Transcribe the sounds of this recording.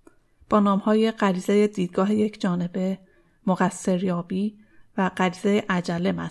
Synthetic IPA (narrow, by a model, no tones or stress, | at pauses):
b̥ɒːnɒːmhɒːje̞ɢæɾiːzeje̞d̪iːd̪̚ɡɒːɦe̞je̞cʰd͡ʒɒːne̞be̞ | moɣæsːe̞ɾjɒːbiː | væɢæɾiːzejeʔæd͡ʒælːe̞mæ̰st̪